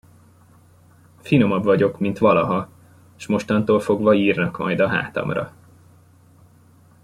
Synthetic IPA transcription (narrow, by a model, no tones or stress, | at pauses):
fino̞mɒbvɒɟo̞kmint̪ʋɒlɒɦɒ | ʃmo̞ʃt̪ɒnt̪oːlfo̞ɡvɒiːrnɒkmɒ̰jd̪ɒɦa̰ːt̪ɒ̰mrɒ̰